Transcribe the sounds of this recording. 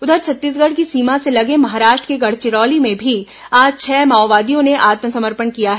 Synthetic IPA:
ʊd̪əɾt͡ʃʰɐt̪ːiːs̬ɡəɽk̬isiːmãselɐɡẽmɐɦaːɾaːʃʈɾə̥keɡɐɽ̤t͡ʃɪɽɔːlimẽbʱi | aːd͡ʒt͡ʃʰɛːmaːʋaːd̪ijõneʔaːt̪məsɐməɾpənkijaɦɛː

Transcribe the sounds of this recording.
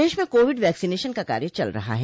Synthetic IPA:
eːʃmẽkoːʋɪɖʋɛːksineːʃənkaka̰ːɾjət͡ʃɐ̰lɾɐ̰ɦa̰ɦɛ

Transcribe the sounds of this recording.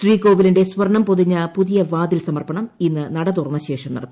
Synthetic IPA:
ʂriːko̞ːʋilinde̞sʋɐrɐɳɐmpoðiɲːɐpuðijɐʋaːðilsɐmɐrpɐɳɐminːɨnɐɽɐt̪̬urɐnːɐɕe̞ːʂɐmnɐ̰ɽɐt̪ːɨ

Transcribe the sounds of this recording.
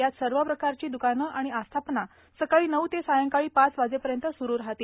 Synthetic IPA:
jat̪səɾʋəpɾəkaɾt͡ɕiːd̪ukanəʔaɽ̃iast̪ʰapna | səkaɭiːnəʋt̪esajəŋkaɭiːpat͡sʋad͡zepəɾjənt̪əsuɾuːɾɦat̪iː

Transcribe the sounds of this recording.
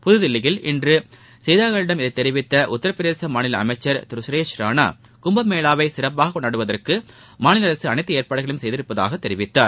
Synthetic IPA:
pʊðɯðɪlːɪɣɪlɪ̰ndrɯ | sɛjðaːɣɐɭɪɽɐmɪðɐɪt̪ːɛɾɪʋɪt̪ːɐʔʊt̪ːɐɾɐpːɾɪðeːsɐmaːnɪlɐɐ̰mɐɪt͡ʃːɐɾt̪ɪɾɯsɾeːt͡ʃɾaːna̰ː | kʊmbɐmːeːlaːʋɐɪsɪrɐp̬ːaːɣɐkːɔɳːaːɽɯʋɐðɐrkɯ | maːnɪlɐɾɐsɯɐnɐɪt̪ːɐeːɾpaːɽɯɣɐɭɯmsɛjðɪɾɯpːɐða̰ːɣɐt̪ːɛɾɪʋɪt̪ːaːɾ

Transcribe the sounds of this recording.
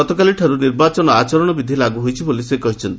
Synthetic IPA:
ɔt̪ɔkaliʈʰaɾuniɾbat͡ʃɔnɔat͡ʃɔɾɔɽ̃ɔbid̪ʱilaɡuɦojt͡ʃʰibolisekɔɦit͡ʃʰɔnt̪i

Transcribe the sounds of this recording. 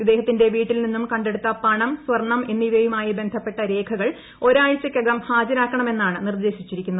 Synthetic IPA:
id̪ːe̞ːhɐt̪ːinde̞ʋiːʈːilninːumkɐɳɖe̞ɽut̪ːɐpɐɳɐmsʋɐrɳːɐme̞nːiʋɐjumaːjibe̞nd̪ʱɐpːe̞ʈːɐɾe̞ːkʰɐɣɐɭ | o̞ɾaːɻt͡ɕːɐkʲːɐɡɐmhaːd͡ʑɐɾaːkːɐɳɐme̞nːaːɳɨnird̪e̞ːɕit͡ɕːiɾikʲːunːɐð

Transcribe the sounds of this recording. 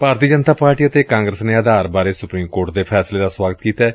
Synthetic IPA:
paːɾt̪iːd͡ʒənt̪aːpaːɾʈiːət̪eːkãːŋɡɾəsneːəd̪aːɾbaːɾeːsʊpɾiːmkoːɾʈ̚d̪eːpʰɛːsleːd̪aːswaːɡət̪kiːt̪ɛː

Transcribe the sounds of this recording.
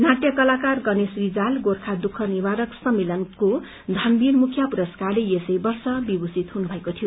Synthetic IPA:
naʈ̪jʌkʌlakarɡʌnesrid͡zalɡorkʰad̪ukʰːʌniβaɾʌksʌmːelʌnko | d̪ʱanbinmukʰjʌpuɾʌskarleesʌjbʌrsʌbibusit̪ɦunubʱʌekot̪ʰijo

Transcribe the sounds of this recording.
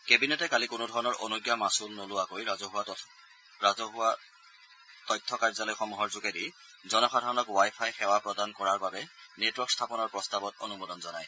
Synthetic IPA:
kebinetɛkalikʊnodʱɔɹɔnɔɹʔo̰nuɡjamasulnolʊwakojzɔɦʊa | ɹazɔɦʊa | tɔjtʰːɔkaɹzalɔjxɔmuɦɔɹzukedi | zɔnɔxadʱaɹɔnɔkwajpʰajxɛwapɹɔdankɔɹaɹbabɛnetwɔɹkstʰapɔnɔɹpɹɔstabɔto̰numodɔnzɔnaj

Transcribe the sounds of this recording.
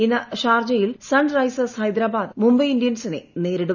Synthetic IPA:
inɐɕaːrd͡ʑɐjilsɐɳɖrɐjsɐshɐjd̪ɾaːbaːd̪mumbɐjindijɐnsinene̞ːɾiɽu

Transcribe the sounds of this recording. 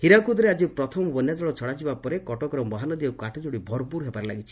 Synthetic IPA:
hiɾakud̪ɾead͡ʒipɾɔt̪ʰɔmɔbɔnjad͡ʒɔɭɔt͡ʃʰɔɽad͡ʒibapɔɾekɔʈɔkɔɾɔmɔɦanɔd̪iɔkaʈʰɔd͡ʒoɽibʱɔɾpuɾɦebaɾela̰ɡit͡ʃʰi̥

